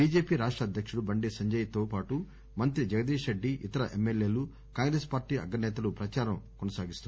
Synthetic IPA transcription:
biːd͡ʒe̞ːpiːɾaːʂʈɾɐɐd̪ʱjɐkʂuɽubɐɳɖiːsɐɲd͡ʒɐjɐt̪o̞ːpaːʈu | mɐnt̪ɾid͡ʒɐɡɐd̪iːʂɐɖːiʔit̪ɐɾɐʔemːelːeːlu | kaːŋɡɾeːspaːɾʈiːɐ̰ɡːɐnːɛːt̪ɐlupɾɐt͡ʃaːɾɐmkɔnɐsaːɡist̪un

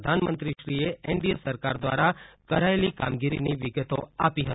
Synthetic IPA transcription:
d̪ʱanmənt̪ɾiʃɾieɛɳɖiesəɾkaɾd̪ʋa̰ɾakəɾaelika̰mɡiɾḭniʋɪɡət̪o̰apiɦət̪

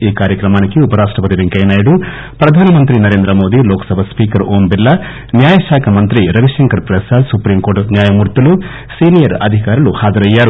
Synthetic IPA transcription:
iːkaːɾjɐkɾɐmaːnikːiupɐɾaːʂʈɾɐpɐt̪iʋeŋkɐjnaːjɐɽu | pɾɐd̪ʱaːnɐmɐnt̪ɾinɐɾeːnd̪ɾɐmoːd̪iloːkɐ̥sɐbʱɐspiːkɐɾoːmbilːɐ | njaːjɐʃaːkʰɐmɐnt̪ɾiɾɐʋiʃɐŋkɐɾpɾɐsaːsupɾimkoːɾʈnjaːjɐmuːɾt̪ːɐlu | siːnijɐɾɐd̪ʱikaːɾɐluhaːd͡ʒɐɾɐjːaːɾu

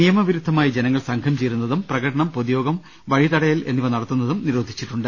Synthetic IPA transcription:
nijɐmɐʋiɾud̪ʱːɐmaːjid͡ʑenɐŋːɐɭsɐŋkʰɐmt͡ɕejɾunːɐðumprɐɣɐʈɐɳɐmpoðijo̞ːɡɐm | ʋɐɻit̪ɐɽɐjɐle̞nːiʋɐnɐɽɐt̪ːunːɐðumniɾo̞ːd̪ʱit͡ɕːiʈːuɳɖɨ

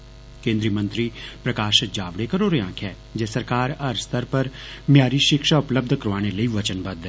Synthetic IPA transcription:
kẽːnd̪ɾiːəmə̃nt̪ɾiːpɾəkaːʃd͡ʒaːʋɽekəɾoːɾeɦãːkʰɛː | d͡ʒɛːsəɾkaːɾəɾst̪əɾpəɾmjaːɾiːʃɪkʃaːʊpləb̚d̪ʱkəɾʋaːñeləiːʋət͡ʃənbəd̪

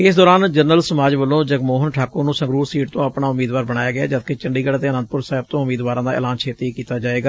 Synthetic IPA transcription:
ɪsd̪ɔːɾaːnd͡ʒəɾnəlsəmaːd͡ʒʋəlːõːd͡ʒəɡmoːɦənʈʰaːkʊɾnũːsə̃ŋɡɾuːɾsiːʈt̪õːəpɳaːʊmiːd̪ʋaːɾbəɽaːjaːɡɪja̰ːd͡ʒət̪keːt͡ʃəɳɖiːɡəɽat̪eːənə̃nd̪̚pʊɾsaːɦɪb̚t̪õːʊmiːd̪ʋaːɾãːd̪aːɪ̰ːlaːnt͡ʃʰeːt̪ikiːt̪aːd͡ʒaːeːɡaː

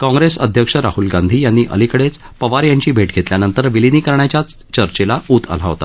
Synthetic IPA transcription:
kɔ̃ŋɡɾesə̰d̪ʱjəkʂəɾahulɡand̪ʱiːjanːiːʔə̰likəɽet͡s | pəʋaɾjaɲt͡ɕiːbʱeʈɡʱet̪ljanənt̪əɾʋiliniːkəɾɳjat͡ɕjat͡s | t͡ɕəɾt͡ɕelaut̪ʰə̰l̤a̰ʋɦot̪ḁ̰

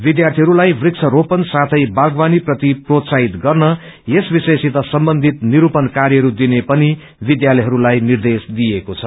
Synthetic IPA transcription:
bid̪jart̪ʰiɦʌɾulajbrik̚t͡sʰʌɾopʌnsat̪ʰʌjbaɡbaniprʌt̪iprot̪saɦit̪ɡʌrnʌ | jesbisesit̪ʌsʌmbʌnd̪ʱit̪niɾupʌnkaɾjʌɦʌɾud̪inepʌni | bid̪jalʌjɦʌɾulajnird̪esd̪ijekot͡sʰʌ

